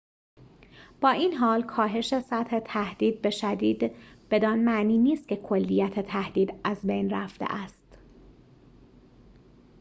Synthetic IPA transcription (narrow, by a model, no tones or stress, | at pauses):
b̥ɒːʔiːnɦɒːlkʰɒːɦe̞ʃe̞sæt̪he̞t̪ʰæhd̪̥iːd̪̚be̞ʃæd̪iːd̪b̥e̞d̪ɒːnmæʔniːniːst̪̚cʰekʰo̞lːijæt̪ʰet̪ʰæhd̪̥iːd̪æzbe̞jnræft̪ḛʔæst̪